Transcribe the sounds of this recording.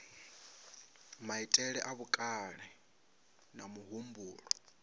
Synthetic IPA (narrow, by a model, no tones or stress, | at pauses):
maitʼɛɺɛʔaβukʼaɺɛ | namuɦumbuːɺɔ